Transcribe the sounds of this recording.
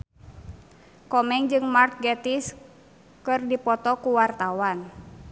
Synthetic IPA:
kɔmɛŋd͡ʒɨŋmark̪̚ɡɛt̪is | kɨrdipɔt̪ɔkuwart̪awan

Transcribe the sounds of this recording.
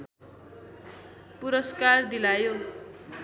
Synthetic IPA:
puɾʌskard̪ilajo

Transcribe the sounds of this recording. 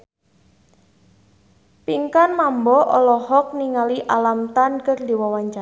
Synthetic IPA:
piŋkanmambɔʔɔlɔhɔk̚niŋaliʔalamt̪ankərdiwawaɲt͡ʃa

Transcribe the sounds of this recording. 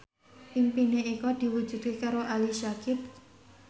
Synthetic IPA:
pimpineikɔd̪̥i̤wu̥ʒ̥ṳd̪̥̚kekaɾoʔaliʃakɪp̚

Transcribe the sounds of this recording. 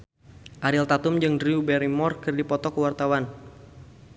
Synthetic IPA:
ʔaɾɪlt̪at̪umd͡ʒɨŋdriubɛɾimɔrkɨrdipɔt̪ɔkəwart̪awan

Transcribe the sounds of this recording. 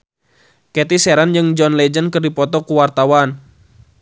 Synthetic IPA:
kɛt̪isɛɾand͡ʒɨŋd͡ʒɔnlɛd͡ʒənkərdipɔt̪ɔkuwart̪awan

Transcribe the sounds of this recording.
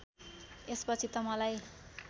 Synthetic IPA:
espʌt͡sʰit̪ʌmʌlaj

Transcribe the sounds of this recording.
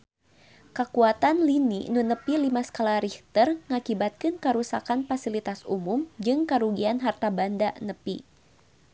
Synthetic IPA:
kəkuat̪anlinḭnunəpilimasə̥kalaɾiht̪ərŋakibat̪̚kɪnkəɾusakanfasilit̪asumʊmd͡ʒɨŋkəɾuɡianɦart̪abandanəpḭ

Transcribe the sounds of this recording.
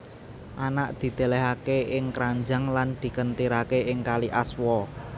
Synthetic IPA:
ʔanaʔd̪̥i̤d̪̥e̤lɛɦakeɪŋkɾaɲd͡ʒa̤ŋland̪̥i̤kənt̪iɾakeɪŋkaliʔaswɔ

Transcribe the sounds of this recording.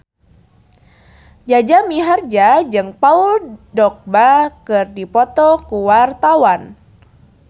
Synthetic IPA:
d͡ʒad͡ʒamiɦard͡ʒad͡ʒɨŋpauldɔk̚bakɨrdipɔt̪ɔkuwart̪awan

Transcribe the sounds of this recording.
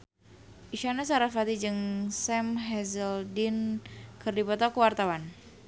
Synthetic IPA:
ʔiʃanas̬aɾafat̪id͡ʒɨŋsɛmɦɛzəldɪnkɨrdipɔt̪akəwart̪awan

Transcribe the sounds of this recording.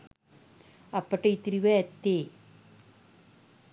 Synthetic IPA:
ɐpːɐʈːeit̪ːiɾiʋɐɐt̪ːe

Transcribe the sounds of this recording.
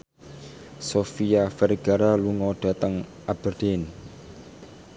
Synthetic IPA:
sofiafɛrɡ̥a̤ɾaluŋɔɖ̥a̤t̪əŋʔab̥ərd̥en

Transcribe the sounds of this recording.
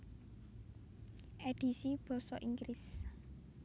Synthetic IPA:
ʔed̥i̤sib̥ɔ̤sɔʔiŋɡɾis

